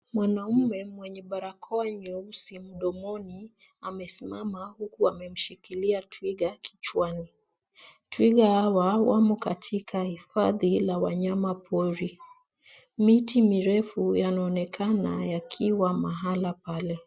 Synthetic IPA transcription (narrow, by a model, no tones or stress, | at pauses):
mwanamɛmwɛɲɛɓaɾakʰɔaɲɔusim̩ɗɔmɔni | amɛsimamahukuamɛm̩ʃikiliatwiɠakʰi̥t͡ʃwani | twiɠahawawamɔkatʰikʰahifaðilawaɲamapʰɔɾi | mitimiɾɛfujanaɔnɛkʰana̰jakʰiwamaɦalapalɛ